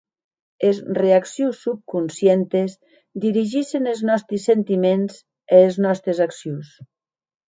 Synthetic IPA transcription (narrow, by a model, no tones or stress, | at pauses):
ezreaksjusːup̚kunsjent̪ez | d̪iɾiʒiʃeneznɔst̪ɾisːent̪imenz | eːznɔst̪ɾezaksjus